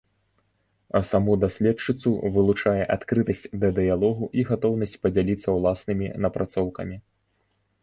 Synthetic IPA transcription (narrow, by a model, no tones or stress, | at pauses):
ɐsamud̪asʲlʲɛt͡ʂɨt̪suvɨlˠut͡ʂajɛʔat̪kɾɨt̪ɐsʲt͡sʲd̪ɐd̪ɨjalˠɔɣuʔiɣat̪ɔwnɐsʲt͡sʲpɐd͡zʲalʲit̪sːɐwlˠasnɨmʲinɐpɾat̪sɔwkɐ̰mʲi